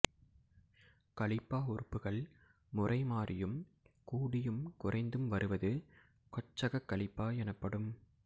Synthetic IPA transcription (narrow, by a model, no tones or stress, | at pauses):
kɐɭɪpːaːʊrɯpːɯɣɐɭ | mʊrʔɐɪmaːrʔɪjɯm | kuːɽɪjɯmkʊrɐɪnd̪ɯmʋɐɾɯʋɐðɯ | kɔt͡ʃːɐɣɐkːɐɭɪpːaːɛnɐpːɐɽɯm